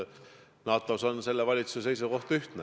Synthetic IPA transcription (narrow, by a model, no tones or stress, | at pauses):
nɑːt̪ːˑɑusonse̞lːevɑlʲit̪su̥sese̞jsuko̞ht̪ɑyht̪nɛ